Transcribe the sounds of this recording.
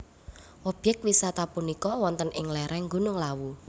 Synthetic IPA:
ʔɔb̥ɛkwisat̪apunikɔwɔnt̪ənʔɪŋlɛɾɛŋɡṳnʊŋlawu

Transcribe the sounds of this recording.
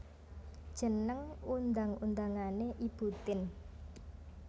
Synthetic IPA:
d̥ʒ̥ə̤nəŋund̪aŋund̪aŋaneʔib̥ṳt̪ɪn

